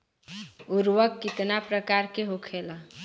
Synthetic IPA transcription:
uɾwəkːit̪napɾəkaɾkeɦokʰelə

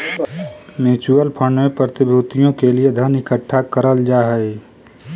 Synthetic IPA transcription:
meːt͡ʃuəlpʰə̃ɳɖmepɾət̪ɪbʱuːt̪ijõkelied̪ʱənɪkəʈʰːakəɾəld͡ʒaːɦɛi

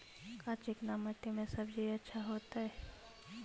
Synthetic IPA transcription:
kaːt͡ʃɪknamət̪ːemẽsəbd͡ʒʱiɐtːʃʰaɦoːt̪aɦɛː

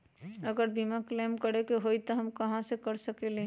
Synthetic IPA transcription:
əɡəɾbimãkleːmkəɾekeɦoit̪oɦɐmkɐɦãsekəɾsəkelẽ

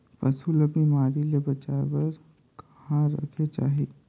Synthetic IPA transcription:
pɐsulɐbimaːɾilebɐt͡ʃaːebɐɾ | k | hãɾɐ̰kʰet͡ʃa̰ːɦeː

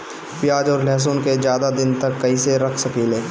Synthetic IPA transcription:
pjaːd͡ʒɔːɾlɛːs̬oːnked͡ʒjaːd̪ad̪ɪnt̪ɐkːɐiseɾɐkʰsɐpʰiːlẽː

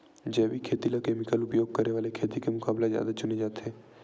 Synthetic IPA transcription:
d͡ʒɛːbikʰeːt̪ilakeːmɪkəlʊpjoːɡ̚kəɾeʋaːlekʰeːt̪ikemʊkaːblazja̰ːd̪at͡ʃʊned͡ʒaːt̪ʰeː

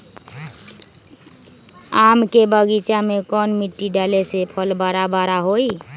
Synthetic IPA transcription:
amkebəɡit͡ʃamekɔnmiʈːiɖalesepʰəlbaɾabaɾaɦoi

